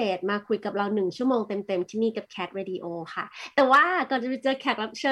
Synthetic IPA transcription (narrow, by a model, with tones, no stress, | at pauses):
eː˨˩t̪̚maː˧kʰu˧jka˨˩p̚ɾa˧wnɯ˨˩ŋt͡ɕʰu˥˩əmoː˧ŋt̪e˧mt̪e˧mt̪ʰiː˥˩miː˥˩ka˨˩p̚kʰɛː˦˥t̪̚ɾeː˧di˧ʔoː˧kʰa˥˩t̪ɛː˨˩waː˥˩kɔː˨˩t͡ɕa˨˩pa˧˥˩t͡ɕɤː˧kʰɛː˦˥t̪̚ɾa˦˥p̚t͡ɕʰɤː˥˩